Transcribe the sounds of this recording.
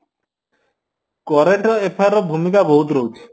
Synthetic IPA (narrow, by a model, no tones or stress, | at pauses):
kɔɾeɳʈɔepʰaɾɔbʱumikaboɦut̪ɾoki